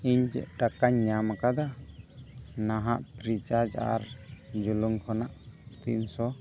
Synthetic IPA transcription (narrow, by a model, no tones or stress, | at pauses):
iɲd͡ʒɛ̰ʔʈakaɲːamakad̪a | naɦaʔpɾit͡ʃad͡ʒa̰ɾd͡ʒuluŋkʰɔnaʔt̪ḭnsɔ